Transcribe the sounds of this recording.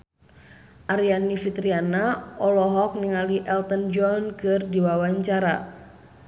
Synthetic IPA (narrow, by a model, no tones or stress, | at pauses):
ʔaɾianifit̪ɾianaɔlɔɦɔk̚niŋaliʔɛlt̪ənd͡ʒɔnkɨrdiwawaɲt͡ʃaɾa̰